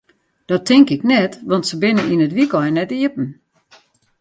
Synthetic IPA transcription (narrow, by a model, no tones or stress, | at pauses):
d̥ɔtʰɪŋkɪknɛtʋɑntsəbɪnəinətʋikɔjnɛtiəpn̩